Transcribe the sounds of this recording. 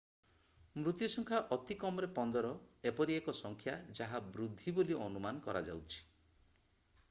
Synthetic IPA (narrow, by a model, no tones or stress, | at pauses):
mɾut̪jusɔŋkʰaʔɔt̪ikɔmɔɾepɔnd̪ɔɾɔ | epɔɾiekɔsɔŋkʰjad͡ʒaɦabɾud̪ʱːiboliʔɔnumanɔkɔɾa̰d͡ʒa̰wt͡ʃʰi̥